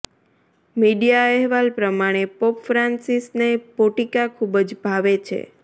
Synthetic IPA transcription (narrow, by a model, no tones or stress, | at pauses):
miɖijaɛɦʋalpɾəmaɽ̃epopfɾansisnepoʈikakʰubəd͡ʒbʱaʋet͡ʃʰḛ